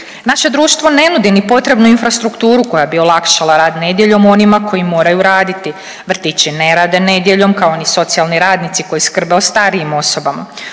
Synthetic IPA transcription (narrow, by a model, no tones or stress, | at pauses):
naʃe̞d̪ɾuːʃt̪ʋo̞ne̞nud̪inipo̞t̪ɾe̞bnuinfɾast̪ɾukt̪uːɾuko̞jabio̞lˠakʃalaɾaːd̪ne̞d̪je̞ʎo̞mo̞nimako̞jimo̞ːɾajuɾaːd̪it̪i | ʋr̩t̪it͡ɕine̞ɾaːd̪ene̞d̪je̞ʎo̞mkao̞niso̞t̪sialˠniɾaːd̪nit̪siko̞jiskr̩beost̪aɾiimo̞so̞bama̰